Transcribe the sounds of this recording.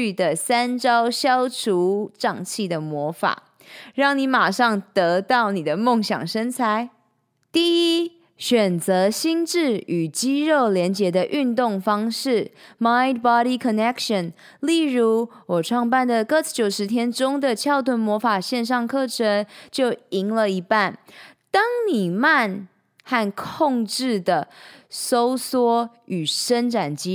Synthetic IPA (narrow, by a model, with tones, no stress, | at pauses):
y˥˩d̪ə˩sa˥nʈ͡ʂɑ˥ʊɕjɑ˦˥ʊʈ͡ʂʰu˧˥ʈ͡ʂɑ˥˧ŋt͡ɕʰi˥˩d̪ə˩mwɔ˧˥fa̰˨˩˦ | ɻɑ˥˩ŋni˧˥ma˨˩ʂɑ˥˩ŋt̪ɤ˧˦t̪ɑ˥˩ʊni˨˩d̪ə˦mo˥˩ŋɕjɑ̰˨˩ŋʂə˥nt͡sʰa˧˥˦ɪ | t̪i˥˩i˦˥ | ɕɥɛ˨˩nt͡sɤ˧˦˥ɕi˥nʈ͡ʂɻ̩˥˩y˨˩t͡ɕi˥ɻo˥˩ʊljɛ˧˥nt͡ɕjɛ˧˥d̪ə˧ʔy˥˧nt̪ʊ˥˩ŋfɑ˥ŋʂɻ̩˥˩ma˥ɪd̪bɑ˦˥ɾi˧kʰə˨nɛ˥kʂə˨˩n | li˥˩ɻu˧˥wɔ˨˩ʈ͡ʂʰwɑ˥˧ŋpa˥˩nd̪ə˨˩kɤ˥˧t͡s̩ʰ˥˩t͡ɕjo˨˩ʊʂɻ̩˧˥t̪ʰjɛ˥nʈ͡ʂʊ˥ŋd̪ə˨t͡ɕʰjɑ˥˧ʊt̪ʰwə˧˥nmwɔ˧˥fa˨˩ɕjɛ˥˧nʂ̬ɑ˥˧ŋkʰɤ˥˩ʈ͡ʂʰə˧˥˦nt͡ɕjo˥˩ʊi˧˥ŋlə˨i˧˥pa˥˩nt̪ɑ˥ŋni˨˩ma˥˧n | xa˥˧nkʰʊ˥˧ŋʈ͡ʂɻ̩˥˩d̪ə˩so˥ʊswɔ˥ | y˨˩ʂə˥nʈ͡ʂa˨˩nt͡ɕi˥